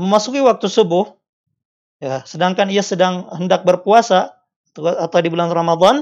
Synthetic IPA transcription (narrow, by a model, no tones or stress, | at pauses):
məmasukiwak̚t̪usəbʊh | jasədaŋkaniasədaŋhəndak̚bərpuasa | at̪awdibulanramad̪an